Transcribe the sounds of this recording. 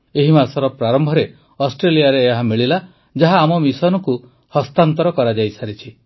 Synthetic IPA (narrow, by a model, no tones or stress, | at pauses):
eɦimasɔɾɔpɾaɾɔmbʱɔɾe | ɔsʈɾelijaɾeːɦamiɭila | d͡ʒaɦaːmɔmisɔnɔku | hɔst̪ant̪ɔɾɔkɔɾad͡ʒajsaɾit͡ʃʰi